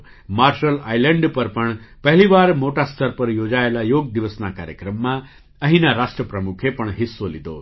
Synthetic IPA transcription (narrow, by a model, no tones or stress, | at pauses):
maɾʃəla̰jləɳɖpəɾpəɳpəɦliʋaɾmoʈast̪ʰəɾpəɾjod͡ʒaelajoɡ̚d̪iʋəsnakaɾjəkɾəmːã | əɦinaɾaʃʈɾəpɾəmukʰepəɳɦisːolid̪o